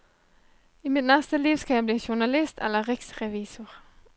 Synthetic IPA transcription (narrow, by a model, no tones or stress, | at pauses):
iːmɪt̪nɛst̪əliːʋskɑæɪbliːʃʊʁnɑlɪst̪ʰɛ̰lːəʁɪksʁɛʋiːsʊʁ